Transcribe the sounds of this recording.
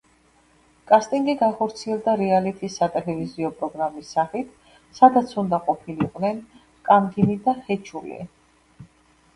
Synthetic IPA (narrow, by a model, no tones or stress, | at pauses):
kʼast̪ʼiŋɡiɡaχɔɾt̪sʰiɛlˠd̪aɾialit̪ʰisːat̪ʼɛlɛviziɔpʼɾɔɡɾamisːaχit̪ʰ | sad̪at̪sʰund̪aqʼɔpʰiliqʼvnɛn | kʼamɡinid̪aχɛt͡ʃʰulḭ